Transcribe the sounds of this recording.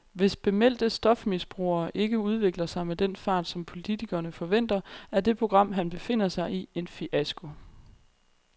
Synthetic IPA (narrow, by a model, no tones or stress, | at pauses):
ʋe̝sb̥e̝mel̰d̥əsd̥ɒ̽fmisb̥ʁṵːɐːʔe̝ɡ̥əuð̞ˠʋe̝ɡ̥lɐsɑ̈ɪmed̥enfɑ̈ːd̥sɒ̽mpʰo̝lit͡sʰiɡ̥ɐnəfɒ̽ʋen̰d̥ɐæɐde̝pʰʁo̝ɡ̥ʁɑ̈m̰ɦænb̥e̝fe̝n̰ɐsɑ̈ɪʔie̝nfiʔæsɡ̥o̝